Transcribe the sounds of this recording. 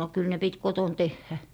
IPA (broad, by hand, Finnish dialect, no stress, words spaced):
kyl ne pit koton tehːæ